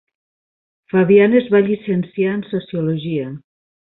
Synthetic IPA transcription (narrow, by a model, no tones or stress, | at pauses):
faβianezβaʎisensjaensosioloʒia